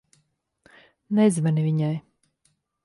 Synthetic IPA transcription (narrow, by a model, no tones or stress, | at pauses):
nɛzʲvɛnivʲiɲaj